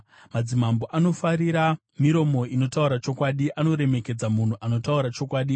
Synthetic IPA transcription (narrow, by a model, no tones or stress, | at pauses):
mad͡zimamboʔano̞faɾiɾa | miɾo̞mo̞ʔino̞tauɾat͡ʃo̞kwaɗiʔano̞ɾe̞me̞ke̞d͡zamun̤uʔano̞tauɾat͡ʃo̞kwaːɗi